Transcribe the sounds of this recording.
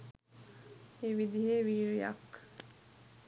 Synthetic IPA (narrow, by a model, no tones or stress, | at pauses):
eʋid̪iɦeːʋiːɾijɐ̰k